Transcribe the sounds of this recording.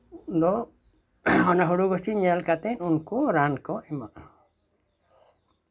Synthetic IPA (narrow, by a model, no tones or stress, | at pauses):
d̪ɔ | ɔnaɦuɽubəsiɲɛlkat̪ɛnunkuɾankɔʔɛmaʔ